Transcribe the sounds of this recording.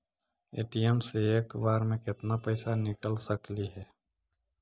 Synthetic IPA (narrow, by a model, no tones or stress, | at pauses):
ḛːʈiemseeːkbaːɾmẽkɪt̪napəɪsanɪkəlsəkliɦɛː